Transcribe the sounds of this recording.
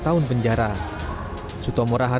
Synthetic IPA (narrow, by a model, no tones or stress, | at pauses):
t̪aʊnpəɲd͡ʒaɾa | sut̪ɔmoɾaɦa